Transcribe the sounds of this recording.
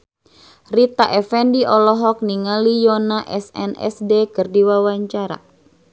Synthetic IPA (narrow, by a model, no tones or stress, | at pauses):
rit̪aʔɛfɛndiʔɔlɔɦɔk̚niŋalijɔnaʔɛsɛ̰nɛ̰sdekɨrdiwawaɲt͡ʃaɾa̰